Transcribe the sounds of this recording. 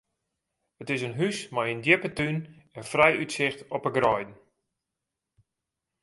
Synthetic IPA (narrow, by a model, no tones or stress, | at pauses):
ətɪsənɦysmajəndjɪpətyn | ənfrɛjʔytsɪxtɔpəɡrɔjdn̩